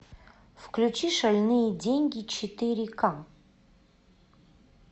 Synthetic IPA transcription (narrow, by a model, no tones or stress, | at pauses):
fklʲut͡ʃiʂɐlʲnɨjɛdʲenʲɡʲit͡ɕʰɪt̪ɨɾʲika